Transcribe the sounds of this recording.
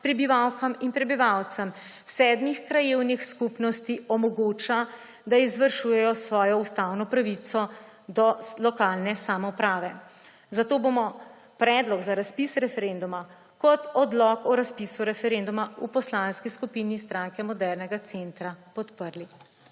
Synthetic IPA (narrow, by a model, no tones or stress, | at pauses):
pɾɛbiʋawkɐminpɾɛbiʋawt̪səm | sɛːd̪mixkɾajeːwnixskupnɔst̪iɔmɔɡoːt͡ʃa | d̪aizʋəɾʃuːjɛjɔsʋɔːjɔust̪awnɔpɾaʋit̪sɔ | d̪ɔlɔkaːlnɛsamɔpɾaːʋɛ | zat̪oːbomɔ | pɾɛd̪lɔɡzaɾaspisɾɛfɛɾend̪uma | kɔt̪ɔd̪lɔkɔɾaspisuɾɛfɛɾend̪umaupɔslanskiskupinist̪ɾaŋkɛmɔd̪ɛɾnɛɡat̪sent̪ɾapɔt̪pəɾli